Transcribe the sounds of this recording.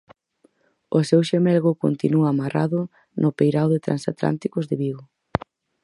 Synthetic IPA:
osewʃemɛlɣʊko̰nt̪inuaːmara̰ðʊ | nʊpejɾawðet̪ɾʔa̰nsa̰t̪la̰nt̪ikʊzðɪβiɣo

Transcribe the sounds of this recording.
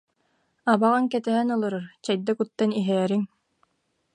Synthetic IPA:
abaʁaŋkɛt̪ɛɦɛnɯlˠɯɾɯɾt͡ɕɛjd̪akut̪ːaniɦɛːɾiŋ

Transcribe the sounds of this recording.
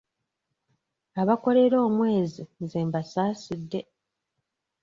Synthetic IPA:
aβako̞ɾe̞ɾo̞ːmwe̞ːzizeːmbasaːsidːe̞

